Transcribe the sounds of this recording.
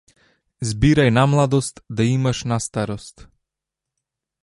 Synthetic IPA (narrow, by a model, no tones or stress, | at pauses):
zbiɾajnamlˠad̪ɔst̪d̪aimaʃnast̪aɾɔst̪